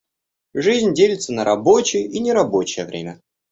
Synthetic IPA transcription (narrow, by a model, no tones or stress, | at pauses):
ʐɨzʲnʲdʲelʲɪt̪sənəɾʔɐbo̞t͡ɕɪjəʔinʲɪɾɐbo̞t͡ɕɪjəvɾʲḛmʲə